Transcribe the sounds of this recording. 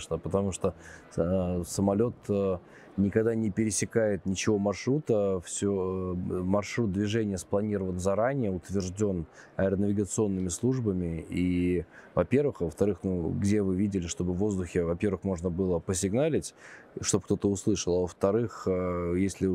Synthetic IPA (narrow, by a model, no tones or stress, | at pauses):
ʂnəpət̪ɐmuʂt̪o̞ | səmɐlʲo̞t̪ː | nʲɪkɐɡd̪anʲɪpʲɪɾʲɪsʲɪkajɪt̪̚nʲɪt͡ɕɪvo̞mɐrʂɾut̪əfsʲomɐrʂɾut̪̚d̪vʲɪʐɛnʲɪjəsplˠɐnʲiɾəvənzɐɾanʲɪjəʊt̪vʲɪrʐdʲo̞nɐɪɾənəvʲɪɡət̪sɨo̞nːɨmʲɪslˠuʐbəmʲɪivɐpʲe̞rvɨxvəft̪ɐɾɨxnuɡdʲe̞vɨvʲidʲɪlʲɪʂt̪o̞bɨvːo̞zd̪ʊxʲɪvɐpʲe̞rvɨxmo̞ʐnəbɨlˠəpəs̬ʲɪɡnalʲɪtʲ | ʂt̪o̞p̚kt̪o̞t̪əʊslˠɨʂəlˠavəft̪ɐɾɨxjesʲlʲɪ